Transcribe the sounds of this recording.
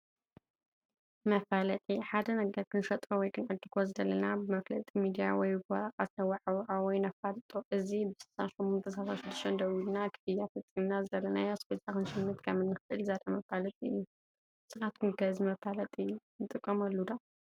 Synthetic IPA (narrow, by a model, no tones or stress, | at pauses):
mɐfalɐt̪ʼiħad̪ɐnɐɡɐɾkʰɨnʃɐt̪ʼɾowɔjkʰɨnʕɨd̪ːɨkʰo̞zɨdɐlɐnabɨmɐflɐt̪ʼimid̪ijawɔjɡaɾkʼat̪nɐwaʕawʕawɔjnɐfalt̪ʼoʔɨzibɨsɨsanʃɛmːɔnt̪ʰɐsasaʃɪd̪ːɨ̥ʃt̪ʰɐnd̪ɐwilnakʰɨ̥fɨjafɐt͡sʼimnazɨdɐlɐnajasbet̪ʰʼakɨnʃɨnːɨt̪kʰɐmɨnːɨxɨʔɨlzad̪ʰʼamɐfalɐt̪ʼiɨ̰jːu | sɨɣat̪kʰɨnɡɐzimɐfalɐt̪ʼinɨt̪ʼɨkʼːɐmɐlːud̪a